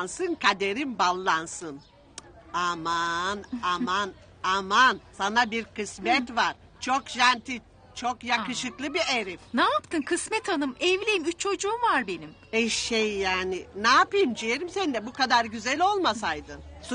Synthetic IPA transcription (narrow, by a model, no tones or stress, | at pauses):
nsɯnkʰad̪eɾimbalˠːansɯn | amanaman | amansanabiɾkɯsmɛt̪vaɾ̥ | t͡ʃʰo̞kʒænt̪ʰi | t͡ʃʰokjakɯʃɯklˠɯbieɾifnaːpt̪ʰɯnkʰɯsmɛt̪ʰanɯmɛvlʲijimyt͡ʃʰo̞d͡ʒuːumvaɾbenim | ɛʃejːaːnɪnaːpɯjmd͡ʒijeɾimsɛnd̪ɛbukad̪aɾɟyzɛlʲo̞lˠmasajd̪ɯ